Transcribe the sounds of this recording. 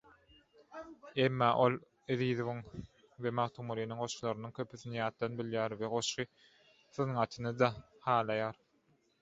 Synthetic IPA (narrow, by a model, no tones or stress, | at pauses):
e̞mːɑːʔo̞lˠ | ɯðiːðovɯŋ | ve̞mɑʁt̪ʰumuliːnɯŋɢo̞ʃlˠɑɾɯnɯŋkʰʲøpʰyθinijɑːt̪̚d̪ɑnbiljæːɾveʁo̞ʃɯ | θɯnŋɑt̪ʰɯnɯd̪ɑhɑːlˠɑjɑːɾ